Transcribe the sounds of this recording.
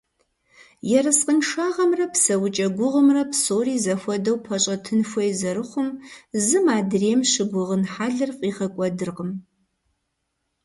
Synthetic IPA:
jɛɾɨsqʼənʂaːʁɐmrɐpsɐwt͡ʃʼɐɡʷʊʁəmrɐpʰsoːriːzɐxʷɔdɐwpʰɐɕʼɐtʰɨnfʷɔjzɐɾɨχʷʊmzɨmaːdreːmʃɨɡʷʊʁənħaːɮɨrfʼiːχɐkʷʼɔdɨrqəm

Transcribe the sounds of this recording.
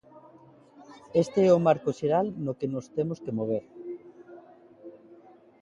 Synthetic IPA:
est̪eɛʊmaɾkoʃeɾalnokenost̪emoskemoβ̞eɾ

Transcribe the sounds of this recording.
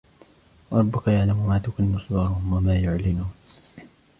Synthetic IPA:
wɑɾˤɑbːʊkajaʕlammaːt̪akʊnmʊsd̪ɑɾˤɑhʊmwamaːjʊʕlɪnʊn

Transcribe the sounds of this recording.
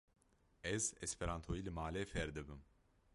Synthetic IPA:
ɛzɛspʰɛɾant̪ʰojiːlɨmaːlɛfɛɾd̪ɨbɨm

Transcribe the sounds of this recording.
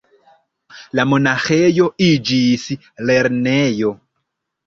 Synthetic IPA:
lamonaxejoid͡ʒisi | leɾnejo

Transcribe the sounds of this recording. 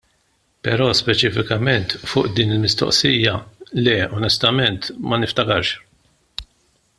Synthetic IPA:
pɛɾɔːspɛt͡ʃɪfɪkɐmɛnt̪fʊːʔd̪iːnɪlmɪst̪ɔ̰ʔsiːjːɐlɛɔnɛst̪ɐmɛnt̪mɐnɪft̪ɐkɐɾʃ

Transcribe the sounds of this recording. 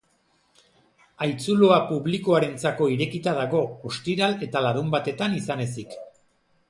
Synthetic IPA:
ajt͡suloapuβliko̞aɾe̞nt͡sako̞iɾe̞kit̪að̞aɣo̞ost̪iɾale̞t̪alaɾumbat̪e̞t̪anisane̞s̬ik

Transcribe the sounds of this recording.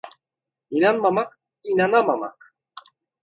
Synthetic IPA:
inɑnmɑmɑk̚ | inɑnɑmɑmɑ̰k

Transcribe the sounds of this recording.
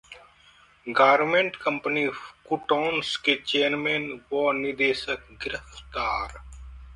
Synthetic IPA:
ɡaːɾmẽɳʈkə̃mpənikuʈoːnsket͡ʃeːɾmẽːnʋɔːnɪd̪eːʃək̚ɡɪɾəft̪aːɾ

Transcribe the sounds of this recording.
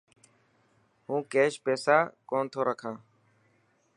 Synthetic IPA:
ɦũːkeːʃpeːsaːkoːnt̪ʰoːɾəkʰãː

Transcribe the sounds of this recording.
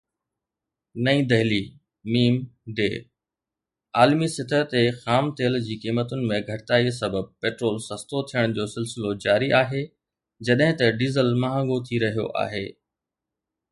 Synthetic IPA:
nɐĩd̪ɐɦli | miːmɖeː | aːlmisɪt̪ʰət̪exaːmt̪eːld͡ʑiːkiːmət̪ʊnɪ̆mẽɡʱɐʈɪt̪aːisɐbəb̚peːʈɾoːlsɐst̪ot̪ʰijəɽ̃d͡ʑoːsɪlsɪlod͡ʑaːɾiʔaːɦe | d͡ʑɐɗɦɪ̃t̪ɐɖiːzəlmɐɦə̃ŋɡot̪ʰiɾɐɦijo̰ʔa̰ːɦeː

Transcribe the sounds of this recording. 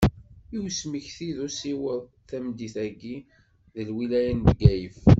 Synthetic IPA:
iwsməçθiðusiwəð | θæmd̪iθæɡi | ðəlwilæjənd̪ɡæjəf

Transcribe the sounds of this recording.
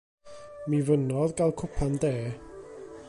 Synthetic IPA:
mivənɔðɡalˠkʰʊpʰandeː

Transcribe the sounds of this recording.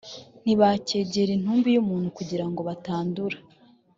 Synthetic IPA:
n̥iβace̞ːɟeɾin̥huːmbijumuːn̥hukuɟiɾaŋɡo̞βataːnduɾḁ

